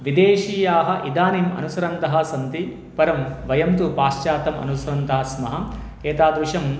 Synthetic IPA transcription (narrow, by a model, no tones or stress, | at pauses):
ʋid̪eːʃiːjaːɦɐ̆ʔid̪aːnimɐ̰nusɐɾɐnt̪ɐɦɐ̆sɐnt̪i | pɐɾɐmʋɐjɐmt̪upaːʃt͡ʃaːt̪ɐmɐ̰nusɐɾɐnt̪ɐɦɐsmɐɦɐm | keːt̪aːd̪ɾuʂɐm